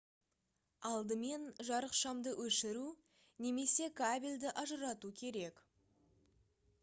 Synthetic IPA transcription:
ɑlˠd̪əme̞nʒɑɾəqʃɑmd̪əwʔɵʃɪɾu | ne̞me̞se̞kʰabʲilʲd̪ɪʔɑʒəɾɑt̪ukʲʰe̞ɾe̞k

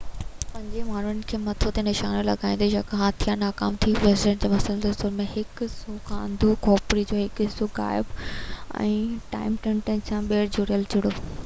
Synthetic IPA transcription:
pɐ̃ɲd͡ʑemaːn̤ʊnɪ̆kʰeːmɐt̪ʰot̪enɪʃaːnolɐ̰ɡaːĩnd̪ijɐkɐɦãt̪ʰijanaːkaːmt̪ʰiʋeːsɪɖẽɳʈd͡ʑeːmɐsəld̪ʊsʊɾmẽɦɪksoːkʰãːɐ̰̃nd̪ʱokɔːpɾid͡ʑoːɦɪkɪsoɡa̰ːɪbɛ̰̃ːʈa̰ːɪmʈẽɳʈɐ̃nsãːɓeːɾd͡ʑoːɾijəld͡ʑʊɽoː

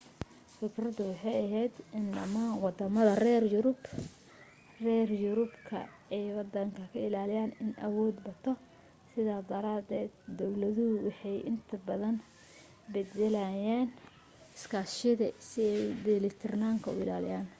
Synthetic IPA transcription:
fɪkʰrɐðʊwɑħɑjɐɦɛjd̪ɪnlɐ̰mawɑd̪ɐmɐðɐrɛːrjʊɾʊb | rɛːrjʊɾʊbkʰɐ̰ | ɛjwɑd̪ɐŋkʰɐkʰɐɪlaːlɪjaːnɪnʔɐwɔːd̪bɐt̪ʰːɔ | sɪðaːd̪ɐɾaːd̪ɛːd̪d̪ɔwlɐðʊhʊwɑħɑjʔɪnt̪ʰɐbɐðɐn | bɛd̪ɛlɐjaːn | ɪskʰaːʃɪðɐsɪɛjd̪ɛlɪt̪ʰɪrnaːŋkʰɐʊ̰ɪ̰laːlɪjaːn

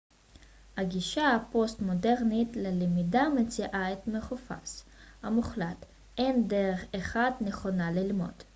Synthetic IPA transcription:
haɡiʃapo̞stmo̞deʁnitlelemidamet͡siʔaetme̞χofa̰shamuχlat | ʔe̞ndeʁeχeχadne̞χo̞nalilmo̞̰d̥

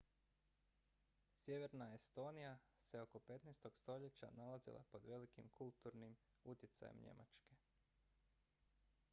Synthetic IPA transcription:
sje̞ʋe̞ɾnaest̪o̞ːnijaseo̞ko̞pe̞t̪nɛst̪o̞ɡst̪o̞ʎe̞t͡ɕa̰nalazḭlˠa̰po̞d̪ʋe̞likimkʰulˠt̪uɾnim | ut̪jet̪sa̰jḛmɲe̞̰ma̰t͡ʃke̞

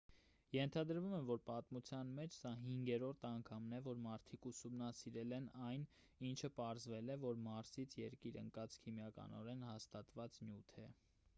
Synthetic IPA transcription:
jɛnt̪ʰɑd̪əɾvumɛvɔɾpɑt̪mut͡sʰjɑnmɛt͡ʃʰsɑɦiŋɡɛɾɔɾt̪ʰɑŋkʰɑmnɛvɔɾmɑɾt̪ʰikʰusumnɑsiɾɛlɛnɑjn | int͡ʃʰəpɑɾzvɛlɛvɔɾmɑɾsit͡sʰjɛɾkiɾə̰ŋkɑt͡skʰimjɑkɑ̰nɔ̰ɾɛnhɑst̪ɑt̪vɑt͡snjut̪ʰɛ

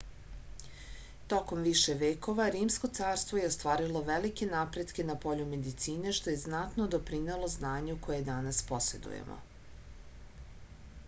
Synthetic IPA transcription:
t̪o̞ko̞mʋiʃe̞ʋeːko̞ʋaɾiːmsko̞t̪saːɾst̪vo̞je̞ost̪ʋaːɾilˠo̞ʋelike̞napɾe̞d̪kʲe̞napo̞ʎume̞d̪it̪siːne̞ʃt̪o̞je̞znat̪nod̪o̞pɾinelˠo̞znaːɲuko̞jed̪anaspo̞se̞̰d̪ṵjḛmo̰

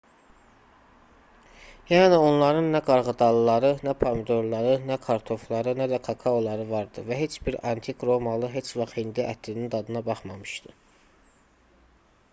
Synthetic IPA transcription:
jænio̞nlˠɑɾɯnːæɡɑɾʁɯd̪ɑlˠɯlˠɑɾɯnæpʰomid̪o̞ɾlˠɑɾɯnækʰɑɾt̪ʰo̞flˠɑɾɯnæd̪ækʰɑkʰɑolˠɑɾɯvɑɾd̪ɯvæɦe̞t͡ʃbiɾɑnt̪ʰikɾo̞mɑlˠɯɦe̞t͡ʃvɑχhind̪iʔæt̪ʰlinind̪ɑd̪ɯnɑbɑχmɑmɯʃd̪̥ɯ

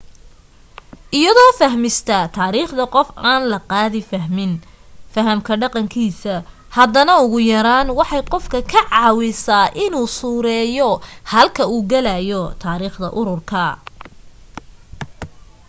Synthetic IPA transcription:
ʔɪjɐðɔːfɐɦmɪst̪ʰɐt̪ʰaːɾiːχd̪ɐqɔfaːnlɐqɑːðɪfɐɦmɪn | fɐɦɐmkʰɐɖɑqɑŋkʰiːsɐ | hɐðɐnɐʊɣʊjɐɾaːnwɑħɑjqɔfkʰɐkʰɐʕɑːwɪsaːʔɪnuːsuːɾɛːjɔhɐlkʰɐuːɡɐlɐjɔt̪ʰaːɾiːχd̪ɐ̰ʔʊɾʊrkʰɐ

